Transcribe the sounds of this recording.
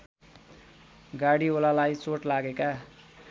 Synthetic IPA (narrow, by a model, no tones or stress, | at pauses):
ɡaɽiolalajt͡soʈlaɡeka